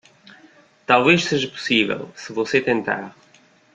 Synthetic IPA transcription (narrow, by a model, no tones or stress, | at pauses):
t̪alˠveʃseʒɐpu̥sivɛ̰lˠsɨvoset̪ẽnt̪a̰ɾ